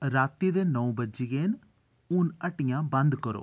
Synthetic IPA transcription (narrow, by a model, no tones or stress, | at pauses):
ɾaːt̪iːd̪eːnə̃bəd͡ʒiɡeːn | ʊnəʈɪjãːbənd̪kəɾo̰ː